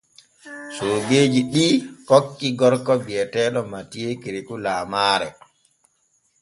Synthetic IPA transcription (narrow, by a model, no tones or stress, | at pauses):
soːɡeːd͡ʒiɗikokːiɡɔɾkɔbiɛtɛːɗɔmatijekiɾikulaːmaːɾɛ